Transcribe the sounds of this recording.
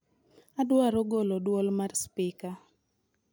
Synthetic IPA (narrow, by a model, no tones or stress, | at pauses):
adwaɾɔɡolodwɔlmarspɪka